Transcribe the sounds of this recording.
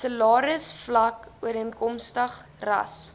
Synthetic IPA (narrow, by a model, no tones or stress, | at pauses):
səlɑːɾəsflɐkuəɾiənkɔmstəχrɐ̰s